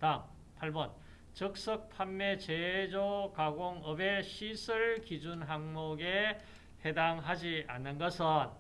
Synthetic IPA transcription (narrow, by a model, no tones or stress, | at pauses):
tam | pʰaɭbʌn | t͡ɕɯk̚s͈ʌk̚pʰanːe̞t͡ɕed͡ʑokaɡoŋʌbe̞ɕʰisʰɯɭkid͡ʑunɦaŋmoɡe | hedaŋɦad͡ʑia̰nːɯnɡʌsʰɯn